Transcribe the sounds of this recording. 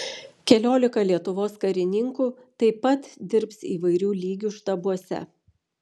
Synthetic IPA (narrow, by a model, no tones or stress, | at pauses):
kʲɛlʲoːlʲɪkɐlʲiɛt̪ʊʋoːskɐɾʲɪnʲɪŋkuː | t̪ɐɪpɐt̪d̪ʲɪɾpsiːʋɐɪɾʲuːlʲiːɡʲuːʃt̪ɐbuɔsʲɛ̰